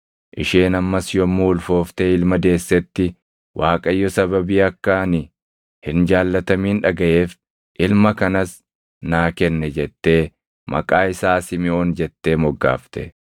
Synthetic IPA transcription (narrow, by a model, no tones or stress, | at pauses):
ʔɪʃeːnɐmːɐsjɔmːuːlfo̞ːft̪eːɪlmɐd̪e̞ːsːɛt̪ːɪ | wʔaːkʼɐjːɔsɐbɐbiːɐkːɐnɪ | hɪnd͡ʒaːlːɐt̪ɐmiːnᶑɐɡɐʔe̞ːf | ʔɪlmɐkɐnɐs | naːkɛnːɛd͡ʒɛt̪ːe̞ː | mɐ̰kʼaːɪsaːsɪmɪo̞ːnd͡ʒɛt̪ːe̞ːmɔɡːa̰ːft̪ɛ